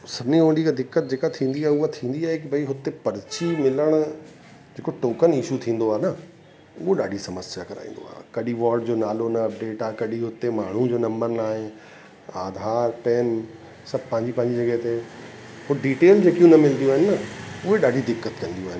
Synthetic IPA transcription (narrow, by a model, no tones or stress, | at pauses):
sɐbʱɪnĩõːɳɖikad̪ɪkːət̪̚d͡ʑeːkat̪ʰːĩːn̆d̪iaːɦeʊɦat̪ʰĩːn̆d̪iaːɦekibʱɐiɦʊt̪epɐɾt͡ɕimɪləɽ̃ | d͡ʑeːkoʈoːkənɪʃut̪ʰĩːn̆d̪oaːenɐ | uɦoɗaːɖʱisɐməsjakɐɾa̰ːḭ̃nd̪o̰a̰ːɦkɐɗiʋaːɾɖd͡ʑoːnaːlonɐɐp̚ɖeːʈaːɦkɐɗiɦʊt̪emaːɳ̤ũd͡ʑoːnɐ̃mbəɾnaːɦɪ̃ | aːd̪ʱaːɾpɛːn | sɐb̚ʱpɐ̃ɦɪ̃ɲd͡ʑipɐ̃ɦɪɲd͡ʑid͡ʑɐɡəɦt̪e | pʊɖiːʈeːld͡ʑeːkijũnɐmɪlnd̪ijũaːɦɪnɪ̆ːɐʊɦeɗaːɖʱid̪ɪkːət̪kɐ̃nd̪iuoaːɦɪnɪ